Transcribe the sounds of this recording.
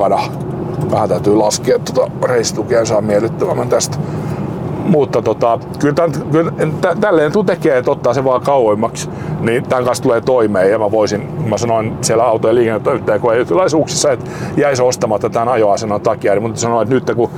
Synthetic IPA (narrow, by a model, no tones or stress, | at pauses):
ɑnɑ | ʋæhænt̪æyt̪yːlɑskeɑt̪ːot̪ɑreisːt̪ukeːnsɑːmmielet̪ːøʋæmːænt̪æst̪ | mut̪ːɑt̪ot̪ɑ | kylt̪ænt̪kylt̪æt̪ælːeːnyt̪kut̪ekeːet̪ot̪ːɑːseʋɑːkɑuhemːɑks | nit̪æŋkɑnst̪uleːt̪oimeːjɑmæʋoisinkumæsɑnoinsielæɑut̪ojɑliːkenːet̪ːoimet̪ːæːkoeyt̪ːylɑisuksisːɑet̪ | jæisost̪ɑmɑt̪ːɑt̪ænɑjoɑsenoit̪ɑkːiæɾimut̪esɑnoet̪nyt̪ːeku